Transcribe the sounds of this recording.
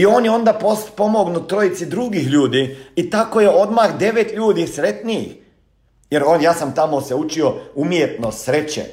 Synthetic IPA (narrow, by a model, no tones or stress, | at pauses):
io̞ːnjeo̞nd̪apospo̞moɡnut̪ɾo̞it̪sid̪ɾuɡixʎuːd̪iit̪ako̞je̞o̞d̪maxd̪e̞ʋet̪ʎuːd̪isɾe̞t̪niḭx | jeɾoːnjaːsamt̪amo̞seut͡ʃio̞umjet̪nosɾet͡ɕḛ